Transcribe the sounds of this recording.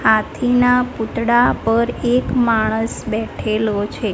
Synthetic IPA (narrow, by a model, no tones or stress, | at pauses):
hat̪ʰinaput̪ɽapəɾekmaɽ̃əsbɛʈʰelot͡ʃʰe